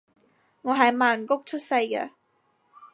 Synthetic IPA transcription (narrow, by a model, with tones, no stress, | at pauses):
ŋɔː˨˧ɦɐ˨jmaː˨nkʊ˥k̚t͡ʃʰɵ˥t̚sɐ˧jkɛ̰˧